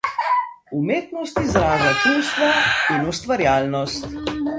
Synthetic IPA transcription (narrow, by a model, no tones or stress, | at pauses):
umeːt̪nɔst̪izɾaːʒat͡ʃuwst̪ʋainust̪ʋaɾjaːlnɔst̪